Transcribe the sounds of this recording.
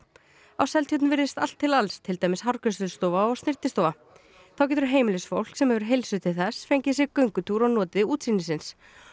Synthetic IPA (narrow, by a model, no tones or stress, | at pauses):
awsɛlt̪jœt̪nnvɪɾðɪst̪al̥t̪ʰːɪlalst̪ʰːɪlt̪aːjmɪsɦaɾkœst̪ʏlst̪ɔːvaɔɣstnɪr̥t̪ɪst̪ɔːwva | θawcɛt̪ɾɦeːjmɪlɪsfowl̥ksɛmhɛvʏɾ̥ɦejlsʏt̪ʰɪθɛsfejɲcɪsjɛkœɥŋkʏt̪ʰuɾɔɣnɔːt̪ɪuːt̪siːnɪsɪns